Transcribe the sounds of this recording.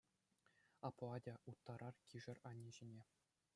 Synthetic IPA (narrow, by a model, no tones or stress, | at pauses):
ɑpoɑdʲɑʔut̪ːɑɾʔɑrkʲiʐɘ̆rʲɑnʲːiʑenʲe